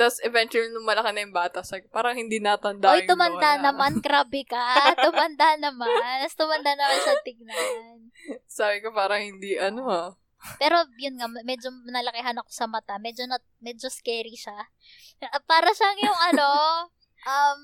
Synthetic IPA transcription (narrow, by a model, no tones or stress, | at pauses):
d̪ɐsɛvɛnt͡ʃulinʊŋmɐlɐkɐnɐjʊŋbaːt̪ɐʔsaːbɪkopaːɾɐŋhɪnd̪iːnɐt̪ɐnd̪aojt̪ʊmɐnd̪anɐmankɾabɪkɐt̪ʊmɐnd̪anɐmanst̪ʊmɐnd̪anɐmanʃɐt̪ɪɡ̚nahn | saːbɪkopaːɾɐŋhɪnd̪iʔɐnoha | pɛːɾo̞jʊnŋamɛd͡ʒonɐlɐkɪɦanɐko̞̥sɐmɐt̪amɛːd͡ʒonɐt̪̚ | mɛːd͡ʒoskɛːɾiʃa | paːɾɐʃaŋjʊŋʔɐno̞ | ʔɐm